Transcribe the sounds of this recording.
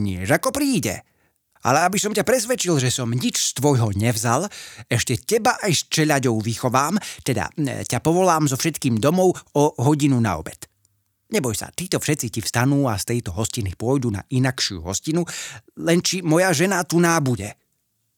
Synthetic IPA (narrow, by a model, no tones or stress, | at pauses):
ɲɪɛʒakɔpɾiːɟɛ̰ | a̰lɛabisɔmcapɾɛsʋɛt͡ʃilʒɛsɔmɲit͡ʃst̪ʋɔjɦɔɲɛvzalɛʃcɛcɛbaʔajst͡ʃɛʎaɟɔʊʋixɔʋaːmt̪ɛd̪a̰capɔʋɔlaːmzɔfʃɛt̪kiːmd̪ɔmɔʊɔɦɔɟinuna̰ɔ̰bɛt̪ | ɲɛbɔjsa̰t̪iːt̪ɔfʃɛt̪t͡sicifst̪anuːast̪ɛjt̪ɔɦɔscinipʊɔjd̪una̰ʔinakʃɪṵɦɔscinulɛnt͡ʃimɔjaʒɛnat̪unaːbuɟɛ